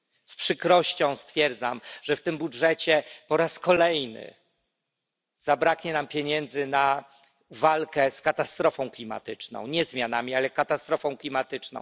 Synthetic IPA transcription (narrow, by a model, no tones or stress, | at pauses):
spʂɘkɾɔɕt͡ɕɔ̃w̃st̪fʲjɛɾd̪zamʐ̥ɛft̪ɘmbudʐɛt͡ɕɛpɔɾaskɔlɛjnɘ̰ | z̥abɾakɲɛnampʲjeɲɛnd̪zɘna | valkɛskat̪ast̪ɾɔfɔ̃w̃klʲima̰t̪ɘt͡ʂnɔ̰̃w̃ɲɛzmʲjanamʲialɛkat̪ast̪ɾɔfɔ̃w̃klʲimat̪ɘt͡ʂnɔ̰̃w̃